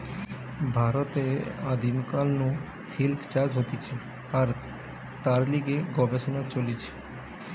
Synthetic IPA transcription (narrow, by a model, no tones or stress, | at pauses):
bʱaɾɔt̪ead̪imkalnũ | silkt͡ʃad͡ʒɦot̪it͡ʃʰe | aɾ | t̪aɾliɡeɡɔbesɔnat͡ʃolit͡ʃʰe̥